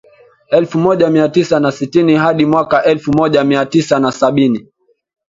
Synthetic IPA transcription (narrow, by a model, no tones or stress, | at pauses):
ɛlfumɔʄamiatisanasitiniɦaɗimwakaʔɛlfumɔʄamiatisanasaɓini